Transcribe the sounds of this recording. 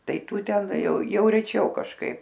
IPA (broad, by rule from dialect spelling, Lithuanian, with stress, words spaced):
tɐɪ ˈtuː tʲɛn jɛʊ jɛʊ rʲɛˈt͡ʃʲɛʊ kɐʃˈkɐɪp